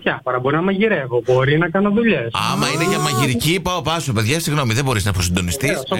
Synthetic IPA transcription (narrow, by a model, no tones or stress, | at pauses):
jɐfoɾɐbo̞ɾinɐmɐʝiɾevobo̞ɾinɐkɐnoðuʎesɐmɐineʝɐmɐʝiɾicipɐopɐsope̞ðʝɐsiɣno̞miðebo̞ɾiznɐfosind̪o̞nist̪is